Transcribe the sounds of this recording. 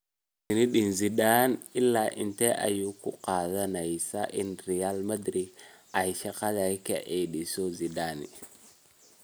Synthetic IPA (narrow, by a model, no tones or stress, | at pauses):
kiniɗinziɗanilːaʔḭnteʔa̰jukuqazanaisa̰ʔinɾialmadɾiɡ | aiʃakalaikḛʔeɗisoziɗanḭ